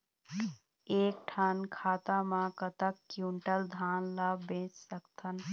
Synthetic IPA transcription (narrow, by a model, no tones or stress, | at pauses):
eːk̚ʈʰankʰaːt̪amãkət̪əkːjuɳʈəld̪ʱaːnlabẽt͡ʃsəkt̪ʰən